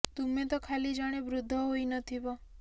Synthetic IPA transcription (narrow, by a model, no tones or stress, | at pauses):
t̪umet̪ɔkʰalid͡ʒaɽ̃ebɾud̪ʱːɔɦoinət̪ʰibɔ